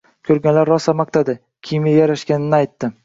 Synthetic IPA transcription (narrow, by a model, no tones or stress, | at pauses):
kʲʰɵɾɡʲanlaɾːɒsamakt̪ad̪ɪ | kʲʰimɪjaɾaʃkʲanɪnɪajt̪ːɪ